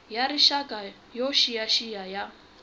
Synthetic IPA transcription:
jaɾiʃakʼa | joʃijaʃijaja

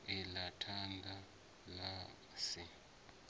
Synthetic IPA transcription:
ɛlatʰandʱa | la | si

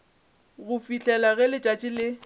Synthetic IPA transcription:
ɣʊfiɬʼɛlaɣɛlɪt͡ʃʼat͡ʃʼɪlɪ

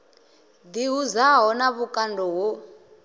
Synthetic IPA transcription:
d̪iɦuzaɦɔnaβukʼandʱɔɦo

